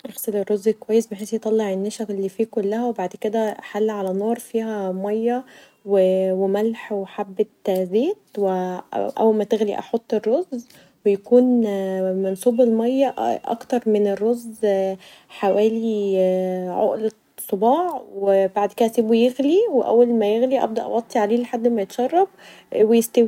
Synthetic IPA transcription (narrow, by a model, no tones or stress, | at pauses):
ʔeɣsˤelerˤːozːelkowæjːesbeħeːsjet̪ˤɑlːeʕenːæʃækelːiːfiːkolːæhæwebaʕd̪ked̪æħalːʕalænoːɾˤfiːhæmɑjːɑ | wewemælħweħabːet̪zeːt̪̚weʔæ̰wːælmæt̪eɣlḭʔɑ̰ħot̪ˤːerːoz | wejækuːnmensˤuːbelmɑjːɑʔɑ̰kt̪ɑɾˤmenerːoz | ħawæːli | ʕo̰ʔle | sˤːobɑːʕwebaʕd̪ked̪æsiːbujeɣliweʔæ̰wːælmæjeɣliʔæ̰b̚d̪æʔɑ̰wɑt̪ˤːiʕaleːleħad̪ːmæjet̪ʃɑrˤːɑb̚ | wejest̪æwi